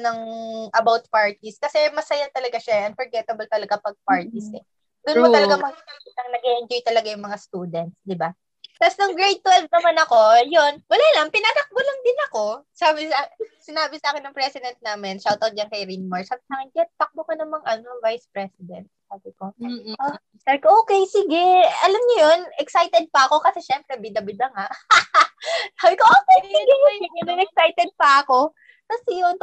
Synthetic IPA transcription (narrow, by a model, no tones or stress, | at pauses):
nɐŋʔɐbawt̪̚paɹt̪iskɐsɛmɐsɐjat̪ɐlɐɡaʃaʔɐnfɔɹɡɛt̪ɐbɐlt̪ɐlɐɡapɐɡ̚paɹt̪ɪsɛ | d̪ʊnmot̪ɐlɐɡamɐɡpanɐŋnɐɡɛʔɪnd͡ʒojt̪ɐlɐɡajʊŋmɐŋast̪uːd̪ɛnt̪̚sd̪ɪba | t̪asnʊŋɡɹejd̪̚t̪wɛlvnɐmanɐko̞jonwɐlaːlɐŋpɪnanɐk̚bolɐŋd̪ɪnɐko̞saːbɪsasɪnaːbɪsɐaːkɪnɐŋpɾɛsɪd̪ɛnt̪̚naːmɪnʃawt̪ot̪̚d͡ʒɐnkɐjɾinmɐɹsaːbɪsaːkɪnd͡ʒɐnpɐk̚bokɐnɐmɐŋʔɐnoŋvajspɾɛsɪd̪ɛ̰nt̪̚saːbɪkoʔoː | saːbɪkoʔoːkejsɪɡɛʔɐlɐmɲojonʔɛksajt̪ɛd̪̚pɐʔɐko̞kɐsɛʃɛmpɾɛbid̪ɐbɪd̪ɐŋaʔ | saːbɪkoʔoːkɛjsɪɡɛjɪɡɐnɐnɛk̚sajt̪ɛd̪̚pɐʔɐko̞ | kɐsɛjon